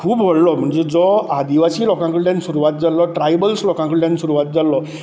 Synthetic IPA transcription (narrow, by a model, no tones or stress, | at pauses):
kʰubbʱɔɭlɔm̤uɳt͡ʃed͡zɔad̪iwasilɔkãŋkudansuɾuat̪̚d͡zalɔʈɾajbəlslɔkãŋkuɖansuɾuwat̪̚d͡zalɔ